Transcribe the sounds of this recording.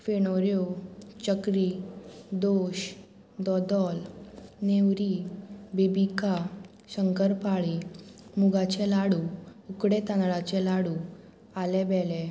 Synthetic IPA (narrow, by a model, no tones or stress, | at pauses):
feɽ̃oɾjot͡ɕəkɾid̪oɕ | d̪ɔd̪ɔlnewɾibibika | ɕəŋkəɾpaɭimuɡat͡ɕɛlaɽuukɽet̪ãnɭat͡ɕɛlaɽu | alɛbɛle